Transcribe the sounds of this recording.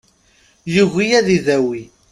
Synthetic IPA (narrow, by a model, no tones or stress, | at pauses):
juɣijæðiðæwi